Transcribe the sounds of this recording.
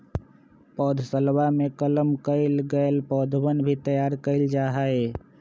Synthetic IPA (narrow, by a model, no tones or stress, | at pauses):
pɔd̪ʱsəlbamekələmkəɪlɡəelpɔd̪ʱbənbʱit̪əjaɾkəɪld͡ʒaɦəe